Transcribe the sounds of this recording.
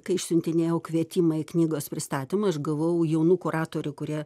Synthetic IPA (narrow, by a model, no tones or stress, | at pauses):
kɐɪɪʃsʲʊnʲt̪ʲɪnʲeːjɛʊkʋʲiɛt̪ʲiːmɐɪknʲiːɡoːspʲɾʲɪst̪ɑːt̪ʲɪmɐɐʃɡɐʋoʊjɛʊnuːkʊɾɑːt̪oːɾʲʊkʊɾʲiɛ